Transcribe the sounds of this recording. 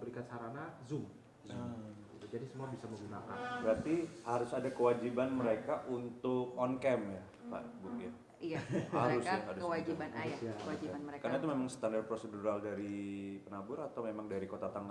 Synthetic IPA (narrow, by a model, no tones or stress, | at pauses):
bəɾikansaɾanazʊm | zumɡit̪ud͡ʒadisəmuabisaməŋɡunakanbəɾart̪ihaɾʊsadakəwad͡ʒibanməɾekaʔunt̪ʊk̚ɔnkɛmja | pa̰ʔbukja | jahaɾʊsjaɦaɾʊwaianaad͡ʒinəekarnait̪umemaŋsə̥t̪andarpɾoseduɾaldaɾipənabʊɾat̪awmemaŋdaɾikot̪at̪aŋ